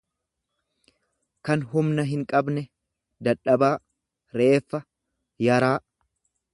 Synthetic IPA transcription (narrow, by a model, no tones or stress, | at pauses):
kɐnɦʊmnɐɦɪŋkʼɐbnɛ | d̪ɐᶑɐbaː | ɾe̞ːfːɐ | jɐɾaː